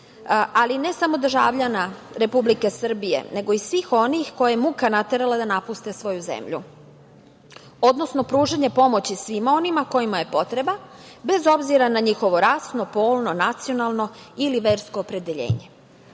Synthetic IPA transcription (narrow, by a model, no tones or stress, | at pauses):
aline̞samo̞d̪r̩ʒa̰ːʋʎana | ɾe̞publike̞sr̩bije̞̰ne̞ɡo̞isʋiːxo̞nixko̞jajemukanat̪e̞ɾalad̪anapust̪e̞sʋo̞juze̞̰mʎṵ | o̞d̪no̞sno̞pɾuːʒeɲepo̞mo̞t͡ɕisʋimao̞nimako̞imaje̞po̞t̪ɾe̞babe̞zo̞bziɾanaɲixo̞ʋo̞ɾasno̞po̞ːlˠno̞nat̪sio̞nalˠno̞iliʋe̞ːɾsko̞ːpɾe̞d̪eʎe̞̰ːɲe̞